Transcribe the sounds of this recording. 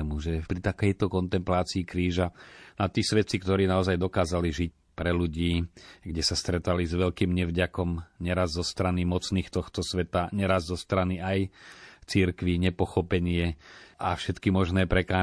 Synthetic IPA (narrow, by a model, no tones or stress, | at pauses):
muʒɛpɾit̪akɛjt̪ɔkɔnt̪ɛmplaːt͡siːkɾiːʒanat̪iːsʋɛt͡sikt̪ɔɾiːnaɔzajd̪ɔkaːzaliʒic̚ | pɾɛluɟiːɡɟɛsast̪ɾɛt̪alizʋɛlkiːmɲɛvɟakɔmɲɛɾazzɔst̪ɾanimɔt͡sniːxt̪ɔxt̪ɔsʋɛt̪aɲɛɾazzɔst̪ɾaniajt͡siɾkʋiɲɛpɔxɔpɛɲɪɛʔafʃɛt̪kimɔʒnɛːpɾɛkaː